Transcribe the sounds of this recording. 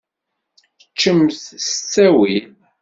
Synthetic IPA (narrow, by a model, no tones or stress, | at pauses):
ət͡ʃːəmθsət͡sːæwil